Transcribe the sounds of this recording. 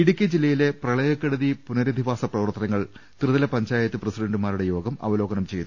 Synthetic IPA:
iɽukʲːed͡ʑilːɐjile̞prɐɭɐjɐkːɐɽɐðipunɐɾɐd̪ʱiʋaːsɐprɐʋɐrt̪ːɐnɐŋːɐɭ | t̪irɨðɐlɐpɐɲd͡ʑaːjɐt̪ːɨprɐsiɖɐɳɖumaːɾuɽejo̞ːɡɐmɐ̰ʋɐlo̞ːɡɐnɐmt͡ɕe̞jt̪ːu

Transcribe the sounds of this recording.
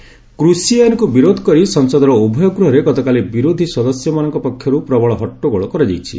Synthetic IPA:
kɾusiankubiɾod̪ʱɔ̥kɔɾisɔŋsɔd̪ʱɔɾɔubʱɔjɔɡɾuɦɔɾeɡɔt̪ɔkalibiɾod̪ʱiswɔd̪ɔsjɔmanɔŋkɔpɔkʰːjɔɾupɾɔbɔɭɔɦɔʈːoɡɔɭɔkɔɾɔd͡ʒajt͡ʃʰḭ

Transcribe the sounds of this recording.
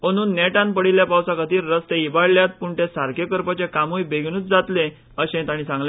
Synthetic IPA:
məñuːnːɛʈãnpəɽiljapawsakət̪iːɾːəst̪eibaɽljat̪̚puɳʈesaɾkekəɾpət͡ɕekamujbeɡʱɽ̃uːt͡s̚d͡zat̪lẽ | əɕẽt̪aɽ̃iːsãŋɡl

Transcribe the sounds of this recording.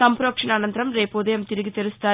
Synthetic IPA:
sɐmpɾoːkʂɐɳaːnɐnd̪ɾɐmɾeːpoːðɐjɐmt̪iɾɯɣit̪eɾst̪aː

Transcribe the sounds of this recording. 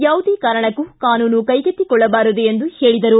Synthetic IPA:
jaːʋud̪ikaːɾɐɳɐkːukaːnuːnukɐjɡɐt̪ːikɔɭːɐbaːɾud̪eend̪uheːɭid̪ɐɾu

